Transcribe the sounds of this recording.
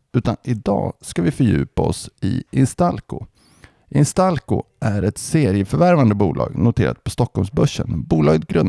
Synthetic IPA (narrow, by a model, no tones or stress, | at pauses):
ʉ̟ːt̪anɪd̪ɑːskavɪfœɾjʉ̟̰ːpaɔ̰sɪ̰ɪnst̪alkʊ | ʔɪnst̪alkʊ̰ʔæɾɛt̪seːɾɪəfœɾvæɾvand̪əbuːlɑ̰ːɡnʊt̪ʰeːɾa̰t̪̚pʰɔst̪ɔkːɔlmsbɵʂːə̰nbuːlɑːɡət̪ɡɾɵn